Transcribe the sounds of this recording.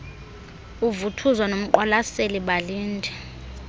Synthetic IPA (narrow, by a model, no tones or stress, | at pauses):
uvutʰuzwanom̩ǃɔlaseliɓaliːndʱɛ